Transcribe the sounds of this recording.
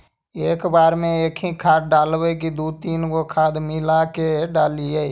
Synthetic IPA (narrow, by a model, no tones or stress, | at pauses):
eːkbaːɾmẽeːkʰĩkʰaːt̪̚ɖaːlʋek̬id̪uːt̪iːnkokʰaːd̪mɪlakeɖaːlie